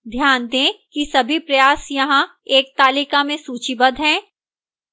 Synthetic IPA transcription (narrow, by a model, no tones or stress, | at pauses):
d̪ʱjaːnd̪ẽːkisɐbʱipɾɐjaːsjɐɦãeːk̚t̪aːliːkamẽsuːt͡ʃibɐd̪ʱɦɛ̃ː